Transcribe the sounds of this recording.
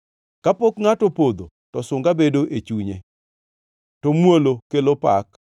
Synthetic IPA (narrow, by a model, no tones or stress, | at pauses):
kapokŋatɔpod̪o | tɔsʊŋɡabedoʔet͡ʃuɲe | tɔmwolokelopa̰k